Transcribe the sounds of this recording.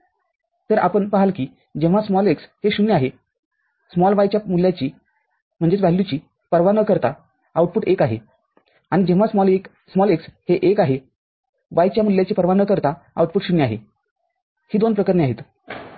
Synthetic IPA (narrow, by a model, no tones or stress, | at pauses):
t̪əɾʔa̰pəɳpəɦalkiː | d͡ʑeʋ̤asmɔleksheɕunːiaɦe | smɔlʋajt͡ɕjamuljat͡ɕiː | m̤əɳd͡zet͡sʋaɦlːut͡ɕiː | pəɾʋanəkəɾt̪a | auʈ̚puːʈekaɦḛ | aɽ̃id͡ʑẽʋ̤asmɔlek | smɔleksheʔekaɦe | ʋajt͡ɕjamuljat͡ɕiːpəɾʋanəkəɾt̪a | a̰uʈ̚puːʈɕuniaɦḛ | hiːd̪onpɾəkəɾneaɦet̪